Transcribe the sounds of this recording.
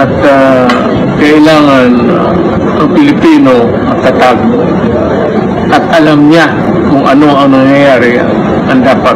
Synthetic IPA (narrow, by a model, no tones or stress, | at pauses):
ʔat̪ | kɐʔɪlaːŋan | ʔɐŋpɪlɪpiːno | ɐt̪at̪aɡ̚ | ʔat̪ʔɐlamɲa | kʊŋʔɐ̰noaŋnɐŋjajaːɾɪ | ʔɐnd̪aːpat̪̚